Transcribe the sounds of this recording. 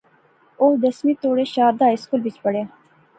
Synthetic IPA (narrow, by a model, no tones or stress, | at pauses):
od̪əsmit̪oːɽeɕɑːɾd̪ɑːɪskulbit͡ʃpəɽe